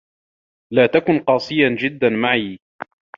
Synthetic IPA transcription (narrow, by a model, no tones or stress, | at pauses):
laːt̪akʊnqɑːsˤɨjad͡ʒɪd̪ːanmaʕiː